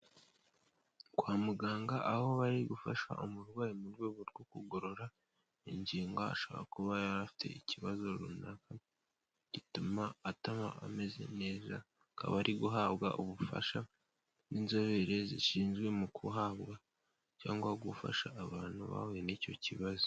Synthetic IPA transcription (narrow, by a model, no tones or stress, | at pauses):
kwaːmuɡaːŋɡaʔaho̞βaɾiɡufaʃa̰ʔomuɾɡwaːjimuɾɡweːβoɾɡokuɡo̞ɾo̞ɾa | iɲɟiːŋɡaa̰ʃoβa̰ɾakuβajaɾafi̥tʰe̞̰iciβazo̞ɾṵnaka | ɟ̥itumaːtamaa̰me̞ze̞̰ne̞ːza̰ | ka̰βaɾʔiɡuɦaːβɡa̰ʔuβufa̰ʃa | ninzo̞βeɾe̞ziʃiːnzɡwe̞mukʰuɦaβɡa | ca̰ːŋɡwaɡufa̰ʃaʔːβaːn̥hṵβa̰wenico̞ciβazo